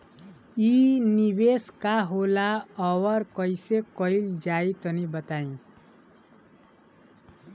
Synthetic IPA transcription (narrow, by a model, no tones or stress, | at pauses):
iniβeskaɦolaʌwʌɾkʌjsekʌild͡ʒait̪ʌnibət̪aĩ